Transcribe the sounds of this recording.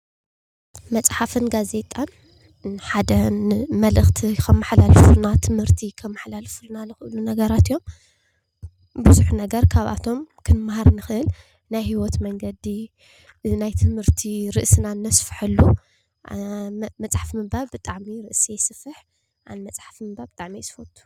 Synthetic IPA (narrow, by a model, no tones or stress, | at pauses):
mɐt͡sʼħafɨnɡaze̞t̪ʼan | ħad̪ɐmɐlɨxt̪ʰikʰɐmːaħlalfulnat̪ʰɨmhɨɾt̪ʰikʰɐmːaħlalfulnanɨxɨʔɨlunɐɡɐɾat̪ijo̞m | bɨzuħunɐɡɐɾkʰaβʔa̰t̪ʰo̞mkʰɨnɨmahaɾnɨxɨʔɨl | najhiwɔt̪mɐŋɡɐd̪i | najt̪ʰɨmhɨɾt̪ʰiɾɨʔsɨnanːɐsfħɨlːu | mɐt͡sʼħafmɨbalbɨt̪ʼaʕmiɾɨʔsijsɨfɨħ | ʔanmɐt͡sʼħḁfmɨbabɨt̪ʼaʕmiajsɨfɐt̪ʼːu̥